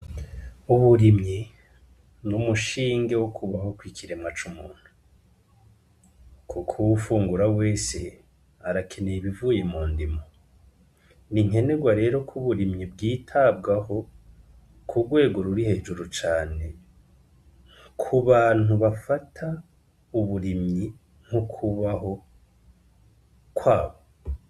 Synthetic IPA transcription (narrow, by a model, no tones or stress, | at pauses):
uβuɾimɲi | numuʃiːŋɡe̞wokʰuβaho̞kwikʰiɾe̞mŋat͡ʃumuːn̥hu | kʰukʰuwufuːŋɡuɾawe̞ːse̞ | aɾakʰe̞neiβivujemuːndimo | niŋe̞ne̞ɡwaɾe̞ːɾo̞kʰuβuɾimɲibɡiːtʰab̚ɡaho̞ | kʰuɡwe̞ːɡo̞ɾuɾihe̞ːd͡ʒuɾut͡ʃaːne̞ | kʰuβaːn̥uβafatʰa | uβuɾimɲi | ŋ̥hukʰuβaɦo̞ | kwaːβo